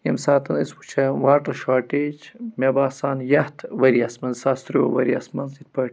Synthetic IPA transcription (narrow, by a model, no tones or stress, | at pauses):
imsaːt̪ɐnisbu̥t͡ʃʰɐwaːʈɐʃaːʈet͡ʃmʲɐbaːsaːnjɐht̪ʰʋɐɾiɐsmɐnzsaːst̪ɾuo̰ʋɐɾiɐsmɐnzit̪̚pɐʈ